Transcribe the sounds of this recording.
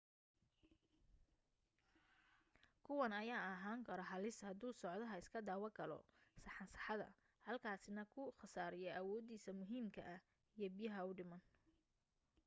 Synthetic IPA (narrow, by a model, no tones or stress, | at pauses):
kʰʊwɐnɐjaːɐɦaːŋkʰɐɾɔɦɐlɪshɐd̪uːsɔʕd̪ɐɦɐɪskʰɐd̪aːwɐɡʰɐlɔ̰sɐħɑnsɐħɑðɐ̰ | hɐlkʰaːsɪnɐkʰʊχɑsaːɾɪjɛʔɐwɔːd̪iːsɐmʊɦiːmkʰɐ̰ʔɐh | ijɔbɪjɐɦɐʊɖɪmɐn